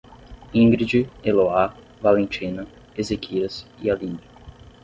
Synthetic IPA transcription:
ĩŋɡɾid͡ʒieloa | valẽnt͡ʃĩnɐ | ezekiɾɐsialĩnɐ

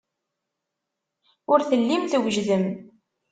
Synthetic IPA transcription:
ʊɾθəlːimθwʒðəm

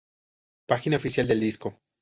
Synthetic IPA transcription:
paxinaofisjald̪e̞ld̪isko̞

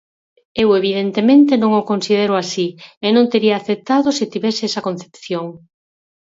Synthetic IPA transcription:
eweβ̞ið̞ent̪emẽnt̪enõŋokonsiðeɾoasienõnt̪eɾiaːθep̚t̪aðosit̪iβɛseɛsɐkon̟θepθjoŋ

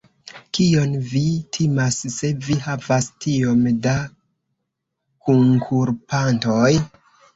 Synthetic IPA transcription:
kio̞nvitʰimasːe̞vihavastʰio̞mda | kuŋkʰuɾpanto̞j

